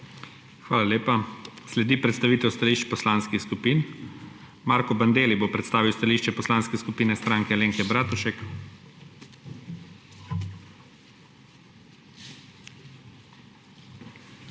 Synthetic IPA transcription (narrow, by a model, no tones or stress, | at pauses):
xʋaːlaleːpaslɛd̪ipɾɛt̪st̪aʋiːt̪ɛwst̪aliːʃt͡ʃpɔslaːnskixskupiːn | maːɾkɔband̪eːlibopɾɛt̪st̪aːʋiwst̪aliʃt͡ʃɛpɔslaːnskɛskupiːnɛst̪ɾaŋkɛleːŋkɛbɾaːt̪uʃɛk